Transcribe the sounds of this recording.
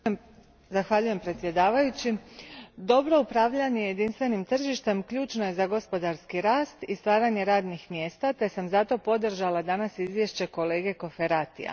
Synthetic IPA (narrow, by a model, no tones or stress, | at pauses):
zaxʋaʎuje̞mpɾe̞t̪sʲje̞d̪aːʋajut͡ɕi | d̪o̞bɾo̞upɾaʋʎaɲeje̞d̪inst̪ʋe̞nimt̪r̩ʒiʃt̪e̞mkʎuːt͡ʃno̞je̞zaɡo̞spo̞d̪aɾskiɾaːst̪ist̪ʋaːɾaɲe̞ɾaːd̪nixmje̞ːst̪at̪e̞samzat̪o̞po̞d̪r̩ʒalad̪anasizʋje̞ʃt͡ɕe̞ko̞le̞ːɡe̞ko̞fe̞ɾat̪ḭa̰